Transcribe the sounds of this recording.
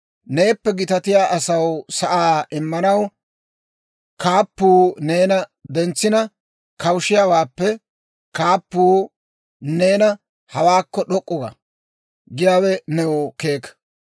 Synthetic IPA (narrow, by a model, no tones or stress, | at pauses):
ne̞ːpːɛɡɪt̪ɐt̪ɪjaːʔɐsɐwsɐʔaːɪmːɐnɐw | kaːpːuːneːnɐd̪ɛnt͡sːɪnɐ | kɐwʃɪjawaːpːɛ | kaːpːuː | ne̞ːnɐ | hɐwaːkːɔɗɔkʼːɔɡɐ̰ | ɡɪjaːwɛnɛwɔkeːk